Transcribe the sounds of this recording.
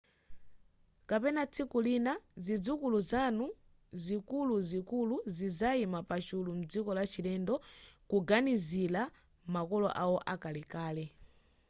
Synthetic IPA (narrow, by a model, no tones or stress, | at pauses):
kapɛnat͡sʰikulinazid͡zukuluzanu | zikuluzikuluzizaimapat͡ʃulum̩d͡zikɔlat͡ʃilɛndɔkuɡanizila | makɔlɔ̰ʔawɔʔakalɛkaːlɛ